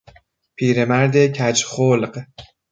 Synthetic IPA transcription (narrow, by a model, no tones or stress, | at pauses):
pʰiːɾemæɾd̪ecʰæd͡ʒxoːlɢ